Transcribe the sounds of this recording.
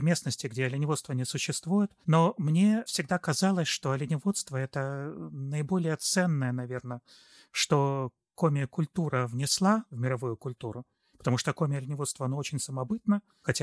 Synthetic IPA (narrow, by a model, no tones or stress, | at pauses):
vmʲe̞snəsʲtʲɪɡdʲeɐlʲɪnʲɪvost̪vənʲɪsʊɕːɪst̪vujɪt̪no̞mnʲe̞fsʲɪɡd̪akɐzalˠəsʲʂt̪o̞ɐlʲɪnʲɪvo̞t̪st̪vəɛt̪ənəɪbo̞lʲɪjət̪sɛnːəjənɐvʲe̞rnə | ʂt̪o̞ | komʲɪjəkʊlʲt̪uɾəvnʲɪslˠavmʲɪɾɐvujʊkʊlʲt̪uɾʊ | pə̥t̪ɐmuʂt̪əkomʲɪjəlʲɪnʲɪvost̪vəɐnoot͡ɕɪnʲsəmɐbɨt̪nə | xɐtʲa